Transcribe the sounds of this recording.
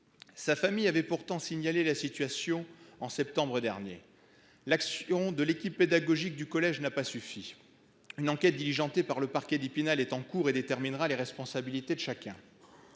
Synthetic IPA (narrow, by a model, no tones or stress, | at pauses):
safamijavɛpuʁt̪ɑ̃siɲalelasit̪ɥasjɔ̃ɑ̃sɛp̚t̪ɑ̃bʁəd̪ɛʁnjḛ | laksɔ̃d̪əlekʲipːed̪aɡɔʒik̚d̪ykɔlɛʒnapasyfi | ynɑ̃kɛt̪̚d̪iliʒɑ̃t̪epaʁləpaʁkʲɛd̪ipinalɛt̪ɑ̃kuʁed̪et̪ɛʁminʁaleʁɛspɔ̃sabilit̪ed̪əʃakʲɛ̃